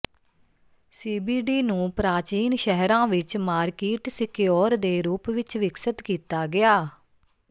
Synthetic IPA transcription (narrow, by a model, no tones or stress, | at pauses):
siːbiːɖiːnũːpɾaːt͡ʃiːnʃɛɦɾãːʋɪt͡ʃmaːɾkiːʈsɪkːɔːɾd̪eːɾuːpʋɪt͡ʃʋɪksət̪kiːt̪aːɡɪaː